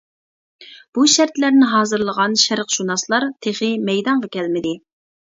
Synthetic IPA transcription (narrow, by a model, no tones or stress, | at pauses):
b̥uʃæɾt̪læɾnɪɦɑːzɨɾlˠəʁɑnʃæɾqʃunɑslˠɑɾt̪ʰeχɨmɛjd̪ɑɴʁɑkʲʰɛlmɪd̪ɪ